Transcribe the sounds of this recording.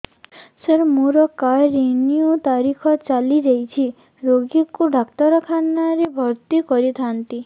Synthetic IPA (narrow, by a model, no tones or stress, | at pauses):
səɾmũɾɔkajɾeniut̪aɾikʰɔt͡ʃaliɾeit͡ʃʰi | ɾoɡikuɖʱakt̪ɔɾɔkʰanaɾebʱɔɾt̪ikɔɾit̪ʰant̪i